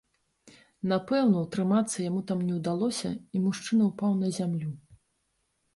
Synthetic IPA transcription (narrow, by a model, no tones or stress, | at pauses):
napɛwnɐwt̪ɾɨmat̪sːɐjamut̪amnʲɛwd̪alˠɔsʲɐ̰imuʂt͡ʂɨnɐwpawn̪ɐzʲamlʲu